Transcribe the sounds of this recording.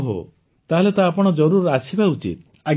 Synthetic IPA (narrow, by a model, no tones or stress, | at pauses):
ɦo̰ | t̪aɦelet̪aːpɔɽ̃ɔd͡ʒɔɾuɾasʰibaut͡ʃḭt̪̚ | a